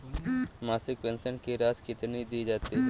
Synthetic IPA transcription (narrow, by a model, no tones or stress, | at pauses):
masik̚pensənkiɾaskit̪ened̪ied͡ʒat̪i